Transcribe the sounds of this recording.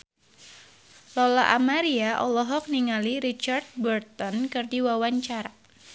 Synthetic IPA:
lɔlaʔamaɾiaʔɔlɔɦɔk̚niŋaliɾit͡ʃard̪̚bərt̪ɔnkɨrdiwawaɲt͡ʃaɾa

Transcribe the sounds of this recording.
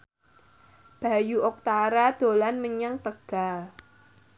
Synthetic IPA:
b̥a̤juʔɔk̚t̪aɾad̪̥o̤lanməɲaŋt̪əɡ̥a̤l

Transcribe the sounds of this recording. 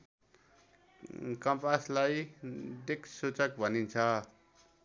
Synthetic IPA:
kʌmpaslajd̪ekʰsut͡sʌk̚bʱʌnint͡sʰʌ

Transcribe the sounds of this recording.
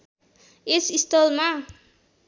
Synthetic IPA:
esist̪ɔlma

